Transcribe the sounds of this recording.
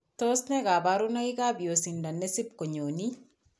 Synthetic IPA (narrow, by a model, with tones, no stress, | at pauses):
to˦snɛ˦ɡa˨ba˦ɾu˦na˦i˦ɡa˦bi˨o˨si˨nda˨nːe˦si˦p̚ko˨ɲo˨ni˦